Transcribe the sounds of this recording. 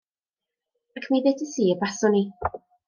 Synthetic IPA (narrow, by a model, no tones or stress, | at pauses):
akʰmeðedəsiːəbasɔni